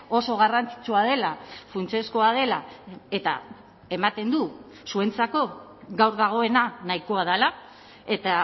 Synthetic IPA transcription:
o̞so̞ɣ̞arant͡si̥t͡suað̞e̞lafunt͡se̞skoað̞e̞lae̞t̪a̰ | e̞mat̪e̞nd̪u | sue̞nt͡sako̞ | ɣawɾðaɣ̞o̞e̞nanaiko̞að̞ala | e̞t̪a

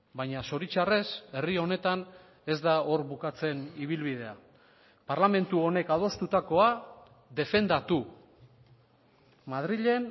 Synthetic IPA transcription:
bajɲaso̞ɾit͡ʃare̞se̞rio̞ne̞t̪an | e̞zd̪ao̞ɾβukat͡se̞niβilβið̞e̞a̰ | paɾlame̞nt̪uo̞ne̞kaðo̞st̪ut̪ako̞a | ðe̞fe̞nd̪at̪u | mað̞ɾiʎe̞n

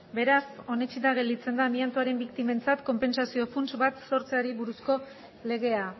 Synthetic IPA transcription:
be̞ɾaso̞ne̞t͡ʃit̪aɣ̞e̞ld̪it͡se̞nd̪aːmiant̪uaɾe̞mbikt̪ime̞nt͡sat̪ko̞mpe̞nsasio̞funt͡ʃβat̪so̞ɾt͡seaɾiβuɾusko̞ | le̞ɣe̞a

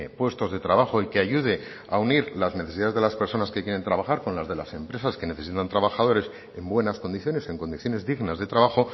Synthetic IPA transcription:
pwe̞st̪o̞zðe̞t̪ɾaβaxo̞ikeaʝuð̞e̞ | auniɾlazneθesiðaðe̞zðelaspe̞ɾso̞naske̞kjeɾe̞nt̪ɾaβaxaɾko̞nlazðe̞la̰se̞mpɾe̞saske̞ne̞θe̞sit̪ant̪ɾaβaxað̞o̞ɾe̞s | e̞mbwe̞nasko̞nd̪iθjo̞ne̞se̞ŋko̞nd̪iθjo̞ne̞zðiɣnazðe̞t̪ɾaβaxo̞

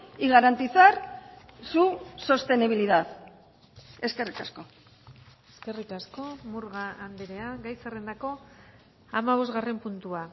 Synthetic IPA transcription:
iɣaɾant̪it͡saɾsuso̞st̪e̞niβiliðað | e̞ske̞rikasko̞ | e̞ske̞rikasko̞muɾɣaand̪eɾe̞aɡajsare̞nd̪ako̞ | amaβ̞o̞zɣare̞mpunt̪ua

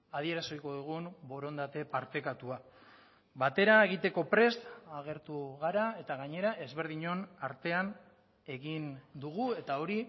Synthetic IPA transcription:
að̞ie̞ɾasoiko̞ðuɣ̞umbo̞ɾo̞nd̪at̪e̞paɾt̪e̞kat̪ua | bat̪e̞ɾae̞ɣ̞it̪e̞ko̞pɾe̞st̪aɣ̞e̞ɾt̪uɣaɾae̞t̪aɣaɲe̞ɾaʔe̞zβe̞ɾð̞iɲo̞naɾt̪e̞an | e̞ɣind̪uɣue̞t̪ao̞ɾi

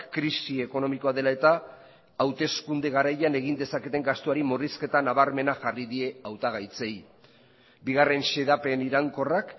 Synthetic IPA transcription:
kɾisie̞ko̞no̞miko̞aðe̞lae̞t̪aː | wt̪e̞skund̪e̞ɣ̞aɾajane̞ɣind̪e̞sake̞t̪e̞ŋɡast̪oaɾimoriske̞t̪anaβaɾme̞naxariðie̞awt̪aɣajt͡se̞j | biɣ̞are̞nse̞ðape̞niɾaŋko̞rak

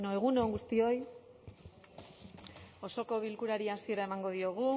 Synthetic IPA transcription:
noe̞ɣ̞unoŋɡust̪io̞j | o̞so̞ko̞βilkuɾaɾiasie̞ɾae̞maŋɡo̞ðio̞ɣ̞u

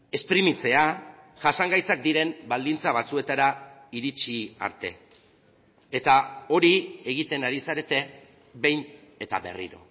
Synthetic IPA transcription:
e̞spɾimit͡se̞a | ʝasaŋɡajt͡sak̚d̪iɾe̞mbald̪int͡saβ̞at͡sue̞t̪aɾaiɾit͡ʃia̰ɾt̪e̞̰ | t̪ao̞ɾie̞ɣ̞it̪e̞naɾisaɾe̞t̪e̞ | be̞jn | e̞t̪a̰βe̞̰rḭɾo̞̰

